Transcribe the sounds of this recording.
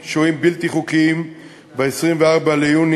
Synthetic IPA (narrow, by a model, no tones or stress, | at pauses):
ʃoimbilt̪iχukiim | veesʁimveaʁbalejun